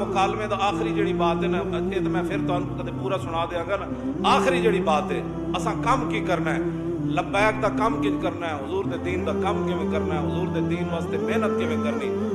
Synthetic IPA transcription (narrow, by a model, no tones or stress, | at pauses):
əkaːlmẽːd̪aːaːxɾiːd͡ʒeːɽiːbaːt̪ɛːnət͡ʃʰeːt̪ːmɛ̃ːpʰɪɾt̪ʊɦanukəd̪eːpuːɾaːsʊɽ̃aːd̪eːãːɡaːnə | aːxɾiːd͡ʒeːɽiːbaːt̪ɛː | əsãːkəmkiːkəɾnaːɛː | ləbaːkd̪aːkəmkɪd͡ʒkəɾnaːɛːɦʊzuːɾd̪eːd̪iːnd̪aːkəmkɪʋẽːkəɾnaːɛːɦʊzuːɾd̪eːd̪iːnʋaːst̪eːmeːnət̪̚kɪʋẽːkəɾnĩː